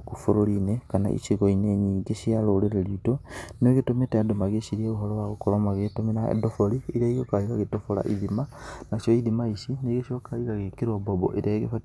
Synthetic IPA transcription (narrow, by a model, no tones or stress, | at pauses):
kufoɾoɾinekana̰ʔḭʃiɣoineɲiɡeʃialoɾeɾeɾiutonoɣetometeadomaɣeʃiɾieoɦɔɾɔwaɣokoɾɔmaɣetomenaḛdofoɾiiɾaiokaiɣaɣetofoɾa̰ʔiðimanaʃɔiðimaisineɣeʃiokʰaiɣaɣekeɾɔbɔbɔ̰ʔeɾaeɣefa